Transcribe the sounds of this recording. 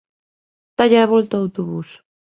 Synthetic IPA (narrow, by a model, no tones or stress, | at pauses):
t̪aʎaːβɔlt̪aːwt̪oβus